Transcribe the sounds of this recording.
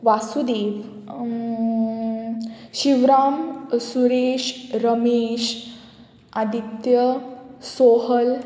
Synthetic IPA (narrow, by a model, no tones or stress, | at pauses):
ʋasud̪eːʋ | ɕiʋɾaːmsuɾeɕɾəmeɕ | ad̪ʱit̪jəsoɦəl